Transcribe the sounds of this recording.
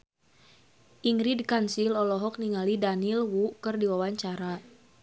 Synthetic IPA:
ʔiŋɾidkansilɔlɔɦɔk̚niŋalidanilwukərdiwawaɲt͡ʃaɾa

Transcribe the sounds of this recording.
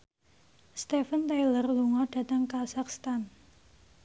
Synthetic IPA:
st̪ɛfənt̪ajlərluŋɔɖ̥a̤t̪əŋkasakst̪an

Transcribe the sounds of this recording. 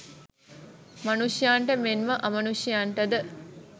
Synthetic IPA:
mɐnuʃjaːɳʈəmenʋəʔɐmɐnuʃjaːɳʈəd̪ə

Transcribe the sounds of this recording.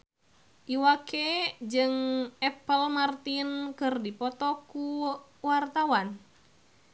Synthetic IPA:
ʔiwaked͡ʒɨŋɛpəlmart̪inkɨrdipɔt̪ɔkuwart̪awan

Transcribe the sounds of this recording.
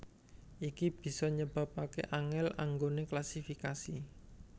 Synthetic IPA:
ʔikib̥i̤sɔɲəb̥a̤pakḛʔaŋɛlaŋɡoneklasifikasi

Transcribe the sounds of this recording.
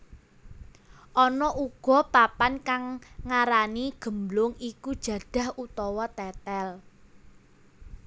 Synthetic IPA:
ʔɔnɔʔuɡ̥ɔ̤papankaŋːaɾaniɡ̥ə̤mblʊŋikud̥ʒ̥ä̤ɖ̥a̤hut̪ɔwɔt̪ɛt̪ɛl

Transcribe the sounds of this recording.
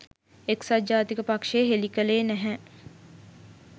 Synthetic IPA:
eksad͡ʒaːt̪ikəpakʃeːɦelikəleːnɛɦɛ

